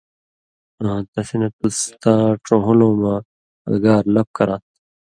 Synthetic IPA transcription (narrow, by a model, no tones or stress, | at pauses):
t̪ɐsinɐt̪ust̪aːʈõɦulõːmãː | ɐ̰ɡaːɾlɐp̚kɐɾaːt̪̚